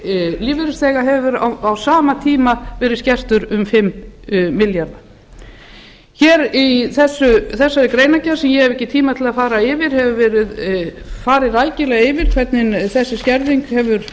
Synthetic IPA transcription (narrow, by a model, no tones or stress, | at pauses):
liːvɪɾɪst̪ɛːɣaɦɛvvɪɾa̰awsaːmat̪ʰiːmavɛːɾɪðscɛr̥t̪ʏɾʏmfɪmːɪljaɾða | çɛːɾiθɛsːʏθɛsːaɾɪkɾeːjnacasɛmjɛhɛvɛhcːɪt̪ʰiːmat̪ʰɪlaðfaːɾaɪvɪɾ̥hɛvʏvɛːɾɪðfaːɾɪðɾaːjcɪlɛɣaɪvɪɾ̥kʰvɛt̪nɪnθɛsːɪscɛɾðiŋkhɛvʏɾ̥